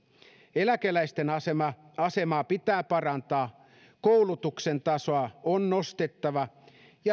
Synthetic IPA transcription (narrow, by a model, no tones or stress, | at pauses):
elækelæist̪enɑsemɑɑsemɑːpit̪æːpɑrɑnt̪ɑː | koulut̪uksent̪ɑsoɑonːost̪et̪ːɑʋɑ | jɑ